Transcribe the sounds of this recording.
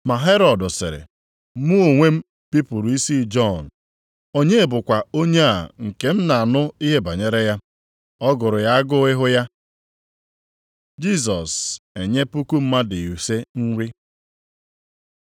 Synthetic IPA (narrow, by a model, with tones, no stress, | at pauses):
ma˨ɦe˦ɾɔ˨dʊ˨sɪ̰˨ɾɪ̰˨˦ | mu˦o˨ŋʷe˦m̩˦ | pi˦pʊ˨ɾu˨i˦si˦d͡ʒɔ˦˨n˨ | o˦ɲe˦˨bʊ˨kʷa˨o˦ɲe˦a˨ŋ̩˨ke˦m̩˦na˨a˨nʊ˦i˦ɦe˦ba˨ɲe˦ɾe˦ja˦ | ɔ˦ɡʊ˨ɾʊ˨ja˦a˦ɡʊ˦ɪ˦ɦʊ˦ja˦ | d͡ʒi˦s̬ɔ˨se˨ɲe˦pu˦ku˦m̩˦ma˦dɪ˨u˨se˦n̩˦ɾi˦